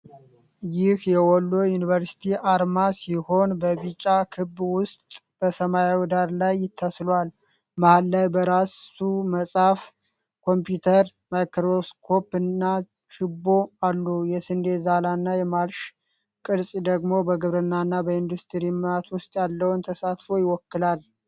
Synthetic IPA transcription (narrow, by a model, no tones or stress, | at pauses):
jɪhjɛwɔlːo̞junivəɾsi̥t̪ʰiʔaɾmasiho̞nbəβit͡ʃʼːakʰɨbːwʊst̪ʼ | b̥əsəmajawid̪aɾlajːɪt̪ʰːaslwal | mahalːajbəɾasuməsʼaf | kʰo̞mpjut̪ʰəɾ | majkɾoskʰo̞pɨnːa | ʃɪbo̞alːujɛsɨnd̪e̞zalanːajɛmalʃ | kʼɨɾsʼid̪əɡmo̞bəɡɨβɾɨnːanːabəind̪ust̪ʰɨɾimat̪wʊst̪ʼjalːəwnt̪ʰəsat̪fo̞jɪwɔkːɨlal